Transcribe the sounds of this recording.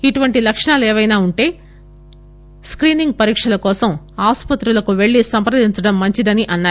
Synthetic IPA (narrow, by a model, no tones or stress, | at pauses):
iʈuʋɐɳʈilɐkʂɐɳaːlɛːʋɐjnaːuɳʈe̞ː | skɾiːniŋɡ̚pɐɾiːkʂɐlɐkɔːsɐm | aːspɐt̪ɾulɐkuʋe̞ɭːisɐmpɾɐd̪iɲt͡ʃɐɽɐmːɐɲt͡ʃid̪ɐniʔɐnːaː